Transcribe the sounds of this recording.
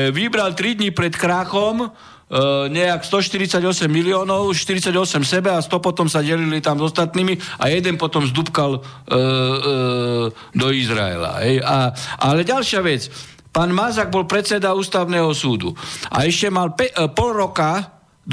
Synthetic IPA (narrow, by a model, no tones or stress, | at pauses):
ʋibɾalt̪ɾid̪ɲipɾɛt̪kɾaːxɔm | ɲɛakst̪ɔʃt̪iɾit͡saɟɔsɛmːiliɔːnɔʊʃt̪iɾit͡saɟɔsɛmsɛbɛast̪ɔpɔt̪ɔmsaɟɛlilit̪amzɔst̪at̪niːmia̰jɛd̪ɛnpɔt̪ɔmzd̪upkal | d̪ɔizɾa̰ɛ̰la̰ɦɛjaʔalɛɟalʃɪaʋɛt͡s | paːnmazaɡ̚bɔlpɾɛt̪t͡sɛd̪auːst̪aʊnɛːɦɔsuːd̪ṵʔa̰ɛʃcɛmalppɔlɾɔka | d̪